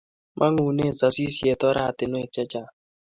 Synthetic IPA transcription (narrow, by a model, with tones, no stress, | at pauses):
mʔa˦ŋu˨ne˦˨sa˨si˦sje˨tɔ˦ɾa˦˨tɪ˨n˦ɛ˨t͡ʃɛ˦t͡ʃa˦˨